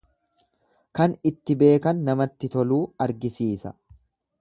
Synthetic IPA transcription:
kɐnɪt̪ːɪbe̞ːkɐnːɐmɐt̪ːɪt̪ɔluːɐɾɡɪsiːsɐ̰

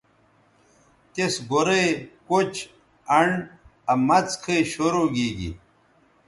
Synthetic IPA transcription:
t̪esɡoɾekot͡ɕ | ɐɳɐmɐt͡skʰeɕoɾoɡiːɡḭ

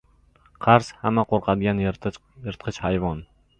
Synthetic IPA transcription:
qʰɑɾshamːaqʰoɾqʰɑd̪ɡʲan | jɪɾt̪̚qʰɨt͡ʃhajvɒn

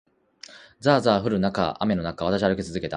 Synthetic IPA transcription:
d͡zaːzaːɸɯ̟ɾɯ̟naka̰ʔa̰me̞no̞nakaβat̪aɕiaɾɯ̟kʲe̞t͡sɨzɨke̞t̪a

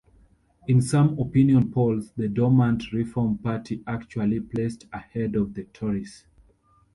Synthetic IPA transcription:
ĩnsʌ̃mɔpĩniɔ̃npʰɔlzðədɔmãntɹifɔmpatʰiʔakt͡ʃualipʰl̥estəhɛdɔvðətʰɔɹis

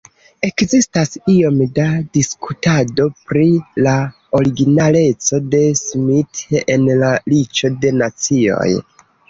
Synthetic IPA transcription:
e̞kzistasio̞mdadiskutado̞pɾila | o̞ɾiɡinale̞t͡so̞de̞smitenlalit͡ʃo̞de̞nat͡sio̞̰j

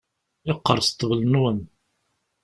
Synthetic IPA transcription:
ɪqːə̰ɾˤst̪ːəvlnwən

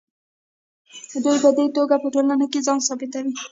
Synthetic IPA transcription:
d̪ojbad̪ait̪oɡapəʈolanokezɑnsɑbɪt̪awi

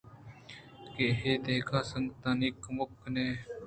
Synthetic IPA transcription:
keɦeːd̪eːkʰaːsəŋɡt̪anikmʊkneː

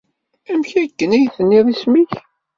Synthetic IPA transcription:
æmçækːənæjθənːiðˤismiç

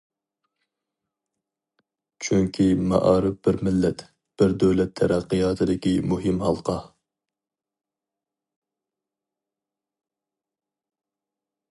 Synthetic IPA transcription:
t͡ʃʰyŋkʲʰimɑ̰ʔɑːɾɪfb̥ɪɾmɪlːɛt̪ | b̥ɪɾd̪ɛwlɛt̪ʰːɛɾɑqːɨjɑːt̪ʰɨd̪ɪkʲimuɦɪmhɑlˠqʰɑ

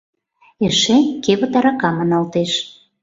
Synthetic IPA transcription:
eʃekeβot̪ɑɾɑkɑmɑnɑlt̪eʃ

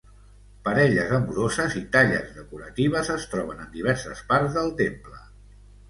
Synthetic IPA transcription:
pəɾɛʎəzəmuɾozəzit̪aʎə̰zðəkuɾət̪iβ̞əzəst̪ɾɔβ̞ənənd̪iβ̞ɛɾsəspaɾzðəlˠt̪emplə

